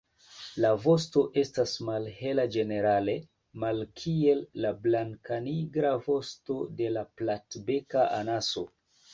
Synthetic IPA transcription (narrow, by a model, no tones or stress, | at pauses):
lavo̞sto̞ʔe̞stasmalhe̞lad͡ʒe̞ne̞ɾale̞ | malkʰie̞lːablaŋkaniɡɾavo̞sto̞de̞laplatbe̞kaʔanaso̞